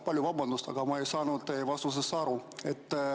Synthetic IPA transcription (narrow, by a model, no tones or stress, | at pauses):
pɑlʲjuvɑbɑnd̪ust̪ɑ̰ɡ̥ɑmɑe̞jsɑːnud̪evɑst̪us̬esːɑɾue̞t̪ː